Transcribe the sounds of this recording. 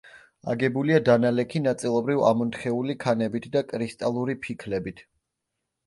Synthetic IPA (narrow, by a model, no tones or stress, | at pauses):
a̰ɡɛbuliad̪analɛkʰinat̪sʼilˠɔbɾiva̰mɔnt̪χɛulikʰanɛbit̪ʰd̪akʼɾist̪ʼalˠuɾipʰikʰlɛbit̪ʰ